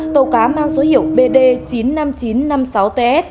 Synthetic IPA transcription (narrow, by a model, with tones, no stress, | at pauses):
t̪ə˧˩wkaː˨˦maː˧ŋzo˨˦hi˧˨əw̚ɓe˧ɗe˧t͡ɕi˨˦nːa˧mt͡ɕi˨˦nna˧msa˨˦wt̪e˧ʔɛ˦˥t̚